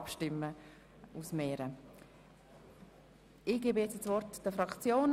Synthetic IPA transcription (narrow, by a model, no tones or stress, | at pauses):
pʃtɪmːə | usmeːɾə | ɪɡ̥eːbəjɛt͡ssvɔɾtd̥əfɾɑkt͡sjoːn